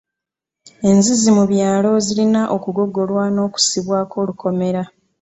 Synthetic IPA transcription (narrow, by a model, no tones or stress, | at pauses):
e̞nzizimuβjaːlo̞zilinaʔokuɡo̞ɡːo̞lwano̞ːku̥siβwaːkʰo̞ːluko̞me̞ɾa